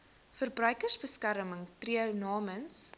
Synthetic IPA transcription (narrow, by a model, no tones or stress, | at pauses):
fərbrœɥkərsbəskæɾəməŋtriəwnɑːməns